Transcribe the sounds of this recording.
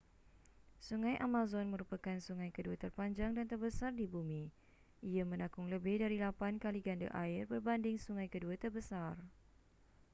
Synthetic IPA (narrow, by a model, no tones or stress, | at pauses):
suŋãjʔamãzɔnmə̃ɾupakansuŋãjkəduat̪ərpaɲd͡ʒaŋdant̪ərbəsardibumĩ | ʔiamə̃nãkʊŋləbɪhdaɾilapankaliɡanda̰ʔaɪrbərbandɪŋsuŋãjkəduat̪ərbəsar